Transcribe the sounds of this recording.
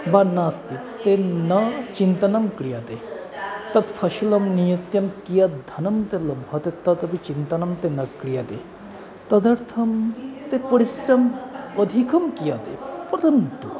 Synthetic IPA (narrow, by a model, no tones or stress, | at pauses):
banaːst̪i | t̪enɐt͡ʃint̪ɐnɐmkɽijat̪e | t̪ɐt̪pʰɐʃilɐmnijɐt̪jɐmkijɐt̪̚d̪ʱɐnɐmt̪elɐbʱːɐt̪et̪ɐt̪ɐbit͡ʃint̪ɐnɐmt̪enɐkɽijat̪ḛ | t̪ɐd̪ɐɾt̪ʰɐmt̪epəɽisɾɐməd̪ʱikɐmkijat̪ḛpɐɾɐnt̪u